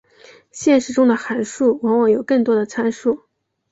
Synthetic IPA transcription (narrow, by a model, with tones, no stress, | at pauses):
ɕjɛ˥˩nʂɻ̩˧˥ʈ͡ʂʊ˥ŋd̪ə˨xa˧˥nʂu˥˩wɑ˧˥ŋwɑ˧˥ŋjo˨˩ʊkɤ˥˩ŋt̪wɔ˥d̪ə˨t͡sʰa˥nʂu˥˩